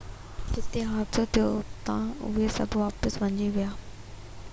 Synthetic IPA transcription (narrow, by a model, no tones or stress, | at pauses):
d͡ʒɪt̪eɦaːt̪sot̪ʰijot̪ãʊ̰esɐ̰bʱʋaːpəsʋɐ̃ɲd͡ʒiʋɪjaː